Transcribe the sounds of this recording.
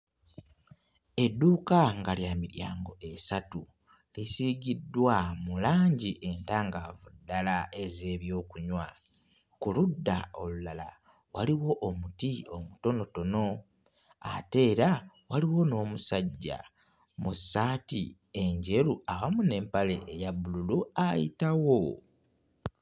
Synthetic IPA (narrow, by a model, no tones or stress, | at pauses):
e̞dːuːkaŋɡaljamiɾjaːŋɡo̞e̞satu | lisiɡidːwamulaːɲɟiʔe̞ntaːŋɡavudːalae̞ze̞ːβjo̞ːkuɲwa | kuludːao̞lulala̰ | waliwo̞ʔomutio̞muto̞no̞to̞no̞ | a̰te̞ːɾa | waliwo̞no̞ːmusaɟːa̰ | musːaːti | e̞ɲɟe̞ɾuawamune̞ːmpale̞ʔejaβululuajḭtawo̞